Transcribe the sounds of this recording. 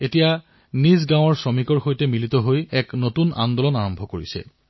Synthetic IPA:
etija | nizɡãw̃ɔɹsɹomikɔɹxojtɛmilitɔɦojɛknotuna̰ndɔlɔnaɹɔmbʱɔkoɹisɛ̰

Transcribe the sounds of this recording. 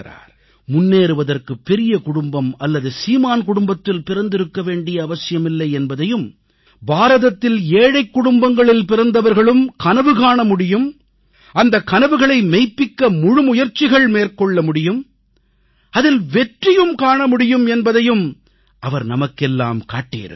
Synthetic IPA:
ɾa̰ːɾ | mʊnːeːɾɯʋɐðɐrkɯpːɛɾɪjɐkʊɽʊmbɐmɐlːɐðɯsiːmaːnkʊɽʊmbɐt̪ːɪlpɪɾɐnd̪ɪɾɯkːɐʋeːɳɖɪjɐːʋɐsɪjɐmɪlːɐɪɛnbɐðɐjɯm | baːɾɐðɐt̪ːɪleːɻɐɪkːʊɽʊmbɐŋɡɐɭɪlpɪɾɐnd̪ɐʋɐɾɣɐɭɯmkɐnɐʋɯɣaːɳɐmʊɽɪjɯm | ʔɐnd̪ɐkːɐnɐʋɯɣɐɭɐɪmɐɪpːɪkːɐmʊɻɯmʊjɐɾt͡ʃːɪɣɐɭmeːɾkɔɭːɐmʊɽɪjɯm | ɐðɪlʋɛʈrɪjɯmkaːɳɐmʊɽɪjɯmɛnbɐðɐjɯm | ʔɐʋɐɾnɐmɐkːɛlːa̰ːmkaːʈːḭːɾɯ̰

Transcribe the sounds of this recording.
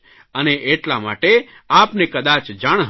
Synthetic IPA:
əneʔːʈlama̰ʈe | apnekəd̪at͡ʃd͡ʒaɽ̃ɦ

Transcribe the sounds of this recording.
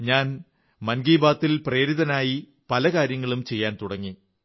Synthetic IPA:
ɲaːn | mɐnɡiːbaːt̪ːilpre̞ːɾiðɐnaːji | pɐlɐkaːɾjɐŋːɐɭumt͡ɕe̞jːaːnt̪uɽɐŋːi

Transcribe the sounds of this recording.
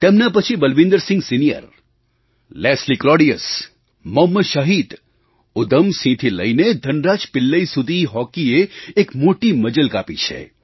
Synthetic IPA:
t̪emnapət͡ʃʰibəlʋɪ̃nd̪əɾsɪ̃ŋɡsinijə̰ɾ | lɛsliklɔːɖijəs | mɔmːəʃəɦid̪ | ʊd̪əmsĩt̪ʰilə̰ined̪ʱənɾat͡ʃpɪlːəisud̪ʱiɦɔkieːkmoʈiməd͡ʒəlkapit͡ʃʰḛ

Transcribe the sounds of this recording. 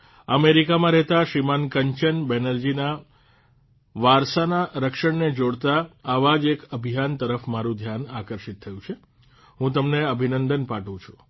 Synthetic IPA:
əmeɾikamãɾɛɦt̪aʃimankəɲt͡ʃənbɛnəɾd͡ʒina | ʋaɾsanaɾəkʃəɳned͡ʒoɽt̪aːʋad͡ʒekəbʱijant̪əɾəfmaɾũd̪ʱjanakəɾʃit̪ʰːəjũt͡ʃʰe | ɦũt̪əmneəbʱinənd̪ənpaʈũt͡ʃʰu̥

